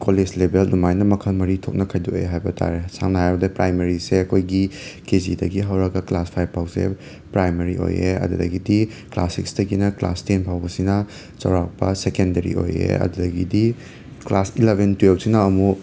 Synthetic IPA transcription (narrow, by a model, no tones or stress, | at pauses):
koled͡ʒlebelnumajnɐmɐkʰɐlmɐɾitʰok̚nɐkʰɐjduo̰jeɦajbɐtʰa̰ɾesaŋnɐɦajbɐdɐpɾajmeɾiseɐkʰojɡikezidɐɡiɦɐwɾɐɡɐklaspʰajbpʰawsḛ | pɾajmeɾio̰jḛɐ̰dudɐ̰ɡidi | kla̰siksdɐɡinɐkla̰stenpʰawbɐsinɐ | t͡ʃɐ̰wɾak̚pɐsekendɐɾḭo̰jḛɐ̰dudɐɡidi | klasilebʱentwel̚sinɐːmu